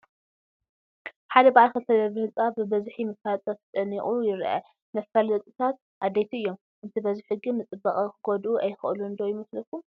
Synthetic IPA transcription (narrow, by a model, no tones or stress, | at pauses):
ħad̪ɐbaʕalkʰɐt̪ʰɐd̪ɐβɨhɨt͡sʼabɨbɐzħimɐfalt͡s̪ʼɐft͡s̪ʼɐniχʼujɪɾʔɐ̰ | mɐfɐlɐt̪ʼɨt̪ʰat̪̚ | ʔad̪ejt̪ʰiɨjːo̞m | ʔɨnt̪ʰibɐziħɨɡimɨt͡sʼɨbːɐkʼɐkɨɡod̪uʔɐjxɨ̰ʔluɨnd̪owjɪmɐslɐfu